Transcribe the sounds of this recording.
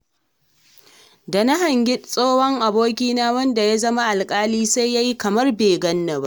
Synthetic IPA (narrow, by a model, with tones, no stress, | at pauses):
da˨na˦ɦɐ˨ŋɡʲɪ˦sʼoː˦hɔ˦ŋʔa˨boː˦kʲiː˦naː˦wɐ˦nda˨ja˦zɐ˦ma˦ʔa˨lkʼaː˦liː˦sa˦jːa˦ji˦kɐ˨mɐ˦rbeː˨ɡɐ˦nːɐ˨ba˦ʔ